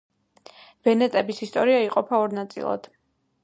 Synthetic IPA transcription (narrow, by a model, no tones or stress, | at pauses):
v̥ɛnɛt̪ʼɛbisist̪ʼɔɾiaiqʼɔpʰaɔɾnat̪sʼḭlˠa̰d̪̥